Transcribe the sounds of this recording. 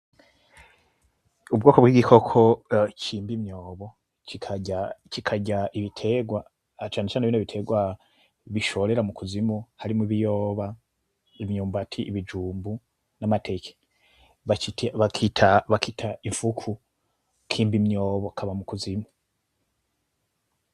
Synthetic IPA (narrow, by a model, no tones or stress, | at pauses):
ubɡo̞ːkobwiɡikʰo̞kʰo̞cʰiːmbimɲo̞ːβo̞ | cikʰaacikʰaɟaʔiβitʰe̞ɡwa | t͡ʃaːnet͡ʃaːneβiːnoβitʰe̞ɡwa | βiʃo̞ɾeɾamukuzimuhaɾimuiβijo̞ːβa | imɲuːmbatʰiʔiβid͡ʒuːmbu | namatʰe̞ːke̥ | βaitβakʰitʰaβakitʰaiɱfukʰu | kʰiːmbimɲoːβokʰaβamukuzimu